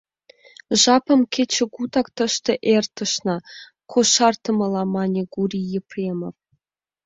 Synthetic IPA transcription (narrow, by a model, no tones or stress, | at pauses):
ʐɑpɤ̆mkʲʰet͡ɕʰĕɡut̪ɑkt̪ə̆ʃt̪ɤ̆ʔert̪ə̆ʃnɑ | kʰoʃɑrt̪ɤ̆mɤlˠɑmɑnʲeɡurʲijeprʲemof